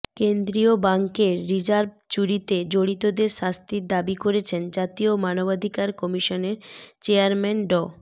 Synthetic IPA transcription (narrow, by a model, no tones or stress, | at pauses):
kend̪ɾiobaŋkeɾːid͡ʑaɾb̚t͡ɕuɾit̪ed͡ʑoɽit̪od̪eɾʃast̪iɾd̪abikoɾet͡ɕʰend͡ʑat̪iomanobad̪ʱikaɾkɔmiʃoneɾt͡ɕeaɾmɛnɖɔ